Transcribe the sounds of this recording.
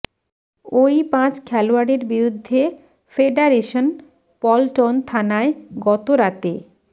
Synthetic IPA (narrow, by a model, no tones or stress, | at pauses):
ojpãt͡ɕkʰɛloaɖeɾbiɾud̪ʱːe | feɖaɾeʃon | pɔlʈont̪ʰanaeɡɔt̪oɾat̪e